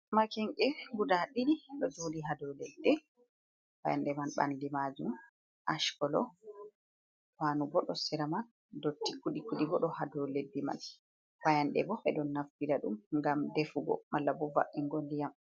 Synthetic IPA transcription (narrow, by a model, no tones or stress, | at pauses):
makɛŋkɛɡudaɗiɾiɗɔd͡ʒodiɦadɔledːɛ | ba̰janɗɛmanɓa̰ndimad͡ʒum | ʔaʃkɔlɔ̰ | wanuɡɔɗɔsɛɾaman | dotːikuɗikuɗiɡɔɗɔhadɔledːɛma̰n | bajanɗɛ̰bɔʔɛ̰ɗɔnːaftiɾaɗṵmŋɡamdefuɡɔ̰malːabɔva̰ʔːɛŋɡoldijam